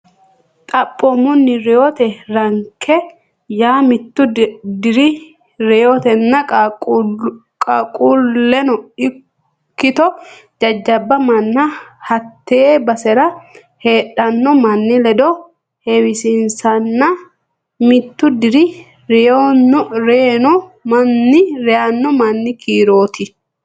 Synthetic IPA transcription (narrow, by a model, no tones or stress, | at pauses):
t̪ʼɐpʼːɔmʊnːɪɾɛjot̪ɛɾɐŋkʰːɛ | jaːmɪt̪ːʊd̪ɪɾɪ | ɾɛjot̪ɛnːɐkʼ | kʼɐkʼullːɛnɔɪ | kːɪt̪ɔ | d͡ʒɐd͡ʒːɐbːɐmɐnːɐhɐt̪ːeːbɐsɛɾɐ | he̞ːᶑɐnːɔmɐnːɪlɛd̪ɔ | hɛwɪsɪnsɐnːɐ | mɪt̪ːʊd̪ɪɾɪ | ɾɛjonːɔɾenɔmɐnːɪɾɛjanːɔmɐnːɪkiːɾo̞ːt̪ɪ